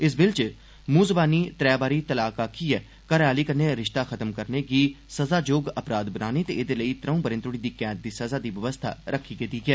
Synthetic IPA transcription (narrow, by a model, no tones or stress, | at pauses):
ɪs̬bɪlt͡ʃ | muːzbaːniːt̪ɾɛːbaːɾiːt̪əlaːkaːkʰiːɛː | kəɾaːliːkəneːɾɪʃt̪aːxət̪əmkəɾneːɡiː | səzaːd͡ʒoːɡəpɾaːd̪bənaːnet̪eːɪd̪eːləiːt̪ɾəũːpəɾɪ̃nt̪ɾʊɽ̃iːd̪iːkɛ̃ːt̪̚d̪iːsəzaːd̪iːʋəʋəst̪ʰa̰ːɾʔəkʰːiːkɪt̪iːɡɛː